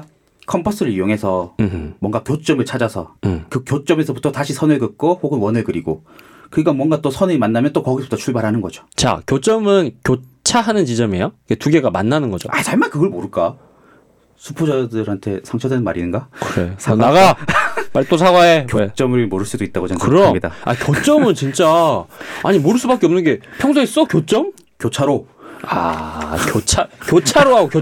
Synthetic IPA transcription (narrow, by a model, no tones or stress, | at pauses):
kʰʌmpʰʌs͈ɯɾɯɾijoŋɦe̞sʰʌmwʌŋɡakjot͡ɕ͈ʌmɯɭt͡ɕʰad͡ʑasʰʌkɯkjot͡ɕ͈ʌme̞sʰʌbutʰʌtaɕʰisʰʌnɯɭkɯk̚k͈ohoɡɯnwʌnɯɭkɯɾiɡo | kɯikamwʌŋɡat͈osʰʌnimanːamjʌnt͈okʌɡisʰʌb̥u̥tʰʌt͡ɕʰuɭbaɾɦanɯnɡʌd͡ʑo̥t͡ɕa̰kʲjot͡ɕ͈ʌmɯnkjot͡ɕʰaɦanɯnt͡ɕid͡ʑʌme̞joiketuɡe̞ɡamanːanɯnɡʌd͡ʑo̰at͡ɕaɭmankɯɡʌɭmoɾɯɭk͈a | sʰupʰod͡ʑadɯɾhantʰe̞sʰaŋt͡ɕʰʌdwenɯnma̰ɾinɯnɡakɯɾesʰanaɡapaɭːit͈osʰaɡaekjoet͡ɕ͈ʌmɯɾimoɾɯɭs͈udoit̚t͈aɡot͡ɕekɯɾʌmidaa̰kjot͡ɕ͈ʌmɯnt͡ɕint͡ɕ͈a | a̰ɲimoɾɯɭs͈ubak͈eʌmnɯnɡe̞pʰjʌŋsʰʌis͈ʌkjot͡ɕ͈ʌm | kjot͡ɕʰaɾo | a̰kjot͡ɕʰakjot͡ɕʰaɾoɦaɡokjo